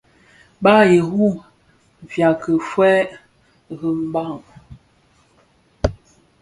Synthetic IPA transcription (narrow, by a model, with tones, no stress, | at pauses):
ba˦je˨ɣu˦˨ | vja˨kə˨fwɛ˦ | ɣə˦m̩˦ba˦˨ŋ